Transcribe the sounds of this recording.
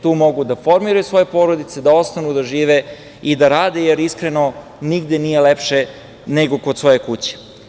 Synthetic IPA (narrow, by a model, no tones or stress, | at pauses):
t̪uːmo̞ɡud̪afo̞ɾmiɾajusʋo̞je̞po̞ːɾod̪it̪se̞d̪ao̞st̪anud̪aʒiːʋe | id̪aɾaːd̪ejeɾiskɾe̞no̞ | niɡd̪e̞niːje̞lepʃe | neɡo̞kod̪sʋo̞jekut͡ɕe̥